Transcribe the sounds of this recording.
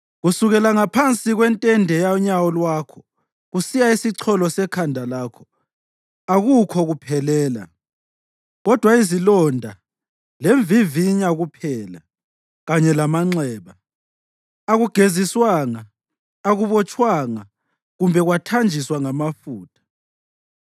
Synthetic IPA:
ɣusuɣɛlaŋapʰant͡sʼiɣwɛntʼɛndʱɛjaɔɲawɔlwaːkʰɔ̥ | ɣusijaisiǀʰɔlɔsɛkʰandʱalaːkʰɔ̥ | aɣukʰɔɣupʰɛlɛːla̰ | ɣɔd̥ʱwaizilɔndʱa | leɱviviɲaɣupʰɛːla̰ | ɣaɲɛlamaŋ͡ǀɛːβa | aɣuɡ̥ʱeziswaŋaː | ɣuβɔt͡ʃʼwaŋa | ɣumbʱɛɣwatʰand͡ʒʱiswaŋamafuːtʰḁ

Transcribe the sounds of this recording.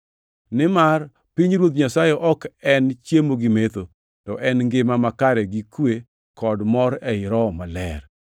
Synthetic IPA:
nɪmar | piɲɾwot̪̬ɲasajeʔɔkɛnt͡ʃjemoɡɪmet̪o | tɔʔɛnŋɡɪmamakaɾɛɡikwe | kɔdmɔɾɛɪɾɔmalɛ̰r

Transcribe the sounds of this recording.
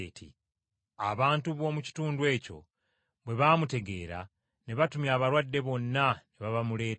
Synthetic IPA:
tʰḭ | aβaːntuβwo̞ːmuci̥tuːndwe̞ːco̞̰ | βwe̞βaːmute̞ɡe̞ːɾa̰ | neβatumjaːβaɾwadːe̞βo̞nːaneβaβamule̞ː

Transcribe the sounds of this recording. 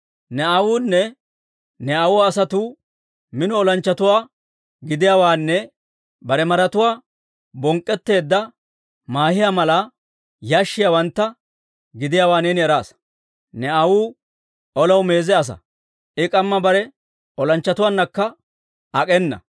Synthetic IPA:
nɛɐwuːnːɛ | nɛɐwʊwaːsɐt̪uː | mɪnɔɔlɐnt͡ʃːɐt̪ʊwaː | ɡɪd̪ɪjaːwaːnːɛ | bɐɾɛmɐɾɐt̪ʊwaː | bɔŋkʼːɛt̪ːe̞ːd̪ːɐ | maːhɪjamɐlɐ | jaːʃːɪjawɐnt̪ːɐ | ɡɪd̪ɪjaːwaːneːnɪɛɾaːs | nɛaɐwuː | ɔlɐwme̞ːzɛɐs̬ɐ̰ | ɪkʼɐmːɐbɐɾɛ | ɔlɐnt͡ʃːɐt̪ʊwaːnːɐkːɐ | ɐkʼɛnːɐ̰

